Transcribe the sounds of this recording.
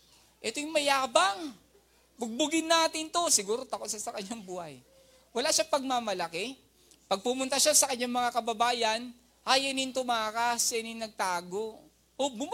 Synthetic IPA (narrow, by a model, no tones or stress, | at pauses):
ʔɛt̪ojʊŋmɐjaːbɐŋ | bʊɡ̚bʊɡɪnːaːt̪ɪnt̪o̞sɪɡuːɾo̞t̪ɐkot̪ʃasɐkɐɲːaŋbuːhɐj | wɐlaʃapɐɡ̚mamɐlɐkɛ | pɐɡ̚pʊmʊnt̪ɐʃasɐkɐɲːaŋmɐŋakɐbɐbaːjɐn | hajɐnɪnt̪ʊmaːkasɛnɪnɐɡ̚t̪aːɡo̞ | obʊm